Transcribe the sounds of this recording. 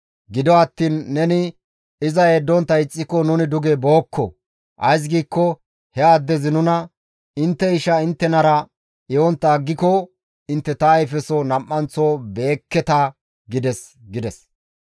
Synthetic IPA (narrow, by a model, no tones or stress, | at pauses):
ɡɪd̪ɔɐt̪ːiːnːɛnɪ | ɪzɐeːd̪ːɔnt̪ːɐɪt͡sʼːɪkɔnʊnɪd̪ʊɡɛboːkːɔ | ʔɐ̰js̬ɡiːkːɔ | hɛɐd̪ːɛzɪnʊnɐ | ɪnt̪ːɛɪʃɐɪnt̪ːɛnɐɾɐ | jɔnt̪ːɐːɡːɪkɔ | ɪnt̪ːɛt̪ɐːjfɛsɔnɐmːɐnt͡sɔːbe̞ːkːɛt̪ɐ | ɡɪd̪ɛsɡɪd̪ɛs